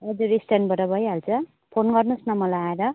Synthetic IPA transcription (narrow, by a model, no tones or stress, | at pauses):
ʌd͡zuɾisʈanbʱʌʈʌbʱʌjɦalt͡sʰʌ | pʰonɡʌrnusnʌmʌlaaeɾʌ